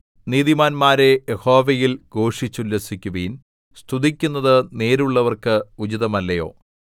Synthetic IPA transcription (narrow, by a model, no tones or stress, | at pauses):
niːðimaːnmaːɾe̞jeho̞ːʋɐjilɡo̞ːʂit͡ɕːulːesikʲːuʋin | st̪ʰuðikʲːunːɐðɨne̞ːɾuɭːɐʋɐrkɨud͡ʑiðɐmɐlːɐjo̞̰ː